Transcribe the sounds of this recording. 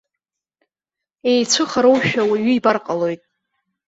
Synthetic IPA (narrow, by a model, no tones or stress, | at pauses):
e̞jt͡sʷʰɨχaɾowʃᶣawaɥʏibarqʼalo̞jtʼ